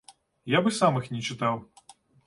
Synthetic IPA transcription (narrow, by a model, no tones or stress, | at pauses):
jabɨsamɨxnʲɛt͡ʃɨt̪aw